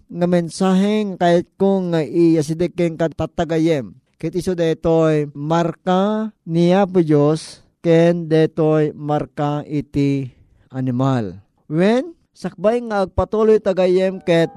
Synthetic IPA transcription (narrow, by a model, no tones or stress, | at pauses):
ŋamɛnsaɦɛŋakaʔɪt̪̚koŋaʔijas̬id̪ɛkːɛnkat̪at̪ːaɡajɛm | kɛt̪isod̪at̪ojmaɾkaniap̬ʊd͡ʒos | kɛnd̪ɛt̪ojmaɾkaʔit̪i | ʔanɪmal | wɛn | sɐk̚bajŋaːɡ̚pat̪olojt̪aɡajɛmkɛt̪̚